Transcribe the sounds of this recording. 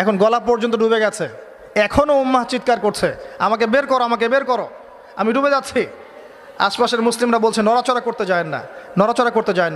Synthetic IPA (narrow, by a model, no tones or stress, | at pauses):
ɛkʰonɡɔlapɔɾd͡ʑont̪oɖubeɡɛt͡ɕʰe | ɛkʰonoumːat͡ɕit̪̚kaɾkoɾt͡ɕʰeamak̬ebeɾkɔɾoamak̬ebeɾkɔɾo | amiɖubed͡ʑatːʰi | a̰ʃpaʃeɾmuslimɾabolt͡ɕʰenːɔɾat͡ɕoɾakoɾt̪ed͡ʑaenːa̰nɔɾat͡ɕoɾakoɾt̪ed͡ʑaen